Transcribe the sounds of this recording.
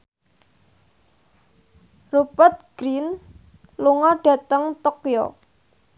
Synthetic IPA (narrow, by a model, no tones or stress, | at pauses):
rupət̪̚ɡ̥ɾin | luŋɔɖ̥a̤t̪əŋt̪okjɔ̰